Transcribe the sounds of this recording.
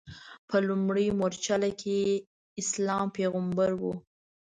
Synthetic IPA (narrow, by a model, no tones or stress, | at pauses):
pʰəlumɽəjmoɾt͡ʃalakʰe | ɪslɑmpeɣambaɾwu